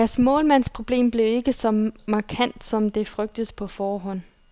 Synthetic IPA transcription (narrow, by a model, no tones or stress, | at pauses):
æɐsmɔ̰̽ːlmæn̰spʰʁo̝b̥le̝̰ːmb̥le̝ʊe̝ɡ̥əsɒ̽mɑ̈kʰæn̰d̥sɒ̽md̥e̝fʁœɡ̥̚d̥əðˠpʰɒ̽fɒːɦɒ̽n̰